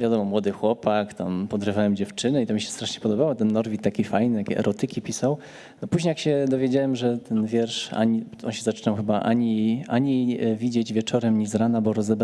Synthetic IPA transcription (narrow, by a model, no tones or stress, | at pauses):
vʲjad̪ɔmɔmwɔd̪ɘxwɔpakt̪ampɔd̪ɾɘvawɛmd͡ʑɛft͡ʂɘnɛit̪ɔmʲiɕɛst̪ɾaʂɲɛpɔd̪ɔbawɔt̪ɛnːɔɾvʲit̪t̪ːakʲifajnɘt̪akʲɛ̰ʔɛ̰ɾɔt̪ɘkʲipʲisaw | nɔpuʑɲejakɕɛd̪ɔvʲjed͡ʑawɛmʐɛt̪ʰɛnvʲjɛɾʂa̰ɲi | ɔ̰nɕɛzat͡ʂɘnawxɘbaʔa̰ɲiʔaɲivʲid͡ʑed͡ʑvʲjɛt͡ʂɔɾɛmɲizɾanabɔɾɔzɛb